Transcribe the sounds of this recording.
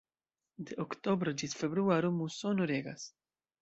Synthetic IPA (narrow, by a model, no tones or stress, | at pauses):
d̪ɪʔɔkt̪ɔbɾɔd͡ʒit̪fɛbɾuaːɾumusɔnuɾɛːɡɐ̰s